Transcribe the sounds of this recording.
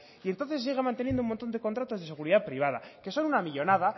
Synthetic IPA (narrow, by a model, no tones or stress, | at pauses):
ient̪o̞nθe̞ss̬iɣemãnt̪enjend̪oumont̪o̞nd̪e̞kont̪ɾat̪o̞zðee̞ɣuɾiðapɾiβ̞aða̰ke̞so̞nunamiʎo̞naða